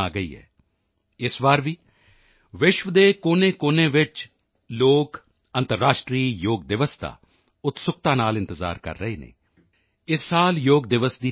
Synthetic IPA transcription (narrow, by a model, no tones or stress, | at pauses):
aːɡəḭːɦɛ̰ː | ɪsʋaːɾʋiː | ʋɪʃʋəd̪eːkoːneːkoːnẽːʋɪt͡ʃ | loːk | ə̃nt̪əɾːaːʃʈɾiːjoːɡ̚d̪ɪʋəsd̪a̰ː | ʊt̪sʊk̚t̪ãːnaːlɪ̃nt̪əza̰ːɾkə̰ɾːəeːnḛː | ɪsːaːljoːɡd̪ɪʋəsd̪iː